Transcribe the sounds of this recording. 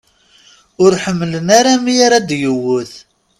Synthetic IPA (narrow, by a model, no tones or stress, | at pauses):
ʊɾħəmːələnaɾamijaɾad̪jəwːʊθ